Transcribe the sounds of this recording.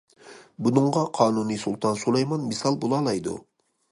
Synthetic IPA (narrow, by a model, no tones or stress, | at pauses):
bunɨɴʁɑqʰɑːnunɨsulˠt̪ʰɑnsulˠɑjmɑnmɨsɑlˠbolˠɑːlˠɑjd̪ṵ